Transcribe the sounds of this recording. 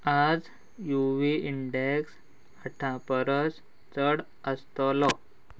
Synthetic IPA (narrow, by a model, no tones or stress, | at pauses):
ad͡z | juʋiiɳɖeks | əʈʰãpəɾəs | t͡səɽ | əst̪ɔlɔ